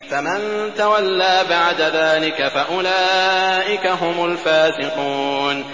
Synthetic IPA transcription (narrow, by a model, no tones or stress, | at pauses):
famant̪awalːaːbaʕd̪aðaːlɪkafaʔʊlaːʔɪkaɦʊmʊlfaːsɪquːn